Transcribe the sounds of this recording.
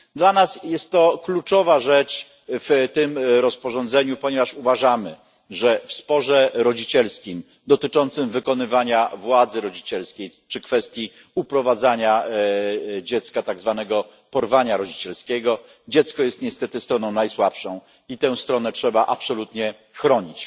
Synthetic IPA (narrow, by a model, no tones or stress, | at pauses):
d̪lanasjɛst̪ːɔklut͡ʂɔvaʐɛt͡ʂ | ft̪ɘmɾɔspɔʐɔnd̪zɛɲupɔɲɛvaʂuvaʐamɘ | ʐɛfspɔʐɛɾɔd͡ʑit͡ɕɛlskʲim | d̪ɔt̪ɘt͡ʂɔnt̪sɘmvɘkɔnɘvaɲavwad̪zɘɾɔd͡ʑit͡ɕɛlskʲejt͡ʂɘkfɛst̪ʲji | upɾɔvad̪zaɲa | d͡ʑɛt̪skat̪aɡzvanɛɡɔ | pɔɾvaɲaɾɔd͡ʑit͡ɕɛlskʲɛɡɔ | d͡ʑɛt̪skɔjɛst̪ɲɛst̪ɛt̪ɘst̪ɾɔnɔ̃w̃najswapʂɔ̃w̃ | it̪ɛ̃w̃st̪ɾɔnɛt͡ʂʂɛbaʔapsɔlut̪ɲɛ | xɾɔɲit͡ɕ